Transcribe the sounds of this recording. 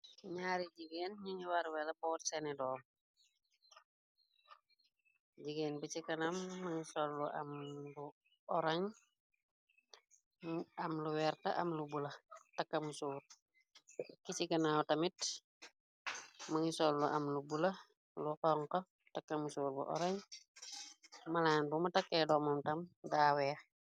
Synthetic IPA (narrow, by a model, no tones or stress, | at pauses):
ɲaːɾiɟiɡeːnɲiŋiwaɾwɛlɐbɔːtsɛnɛdɔːŋ | ɟiɡɛːnbit͡ʃikɐnamːɐŋisɔlːuʔɐ̰mlu | ɔɾɐɲ | ɐmluwɛrtɐ̰ʔɐ̰mlubulɐtɐkːɐmusuːr | kit͡ʃikɐnautɐmit | mɐŋisɔlːuʔɐmlubulɐ | lukɔŋkɔ | tɐkːɐmusuːɾbṵʔɔ̰ɾɐɲ | mɐlaːnbumɐtɐkɛdɔmɐmtɐmdaːwɛ